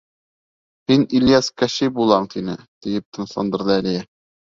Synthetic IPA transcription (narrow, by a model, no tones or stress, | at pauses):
hinilʲijæskæɕibulˠɑɴt̪inɘt̪ijɘp̚t̪ɤ̆nɤ̆ʃlˠɑ̰nd̪ɤ̆ɾd̪ɤælijæ